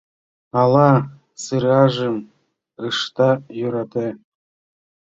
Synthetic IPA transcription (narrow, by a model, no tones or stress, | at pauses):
ɑlˠɑ | sɯɾɑʒɤm | ɯʃt̪ɑjuɾɑt̪e